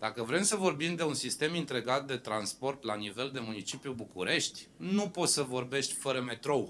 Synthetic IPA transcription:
d̪̥akəvɾe̞msəvo̞rbimd̪e̞unsist̪e̞mint̪ɾe̞ɡat̪̚d̪e̞t̪ɾanspo̞rt̪lanive̞ld̪e̞munit͡ʃipjubukuɾe̞ʃt̪ʲnupo̞t̪səvo̞rbe̞ʃt̪ʲfəɾəme̞t̪ɾo̞w

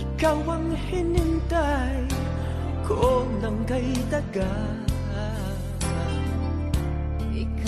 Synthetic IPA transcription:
kawaŋ | hɪnɪnt̪a | kʰoʔonaŋɡajd̪aɡa

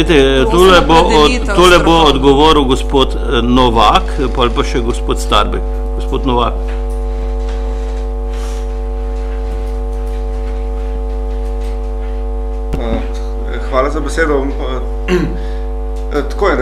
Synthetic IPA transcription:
et̪ɛt̪oːlɛbo | t̪olɛboːd̪ɡɔʋoːɾuwɡɔspoːt̪ | nɔʋak | palpaʃɛɡospoːt̪st̪a̰ɾbɛk | ɡospoːt̪nɔʋak | xʋaːlazabeseːd̪ɔʋmpa | t̪koːɛn

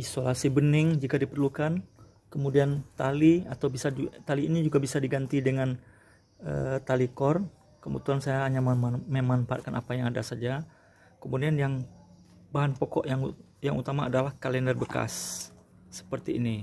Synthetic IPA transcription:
isolasibənɪŋd͡ʒikadipərlukan | kəmudiant̪aliat̪awbisat̪aliːnid͡ʒuɡabisadiɡant̪idəŋan | ə̰t̪alikɔrn | kəmbə̰t̪uansajaɦaɲamməmanpa̰t̚kanapajaŋadasad͡ʒa | kəmudianjaŋ | baɦanpɔkɔʔjaŋ | jaŋut̪amaːdalahkalɛndərbəka̰sː | ə̥pərt̪iːni

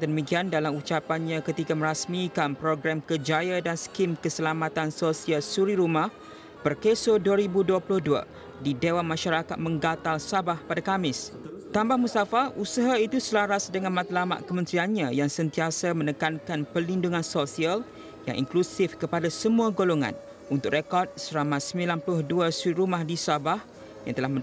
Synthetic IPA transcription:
dəəmĩkiandalamut͡ʃapanɲãkət̪ikamə̃ɾasmikanpɾoɡɾamkəd͡ʒajadansə̥kimkəsəlamat̪ansosialsuɾiɾumah | b̥ərkesoduaɾibuduapulʊhdua̰ | didewanmãʃaɾakat̪̚mə̃ŋɡat̪alsabahpadakamɪst̪ambahmust̪afaʔusaɦait̪usəlaɾasdəŋanmãt̪alama̰ʔkəmənt̪ɾianɲãjaŋsənt̪iasamə̃nəkankanpəlinduŋãnsosial | ja̰ŋʔḭŋklusɪfkəpadasəmũaɡoloŋa̰n | unt̪ʊkrekɔrd̚səɾamãsəmĩlanplʊhduasuɾiɾumahdisabah | ja̰ŋt̪əlahm

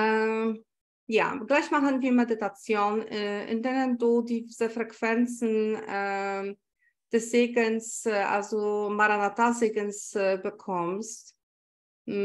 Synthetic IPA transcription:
ʔɛ | ja̰ːɡlaɪçmaχənviːɐmeditat͡sjoːnʔɪ̰ndeːnənduːdiːzefʁ̥ɛkv̥ɛnt͡sn̩ɛ | d̥ɛsz̥eːɡənsʔa̰lzomaʁanatazeːɡənsbəkʰɔmst

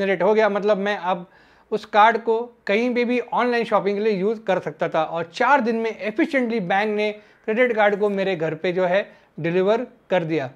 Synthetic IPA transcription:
nɾeːʈɦoɡɐjamɐt̪ləbmɛ̃ʔɐb | ʊskaːɾɖkokɐɦĩpebʱiʔɔːnlaːɪnʃɔːpɪ̃ŋɡkeliejuːzkɐɾsɐk̚t̪at̪ʰaʔɔːɾt͡ʃaːɾd̪ɪnmẽʔefʰɪʃə̃ɳʈlibɛ̃ːŋkne | kɾeːɖɪʈkaːɾɖkomeːɾeɡʱɐɾped͡ʒoːɦɛ | ɖɪlɪʋəɾ | kɐɾd̪ijaː

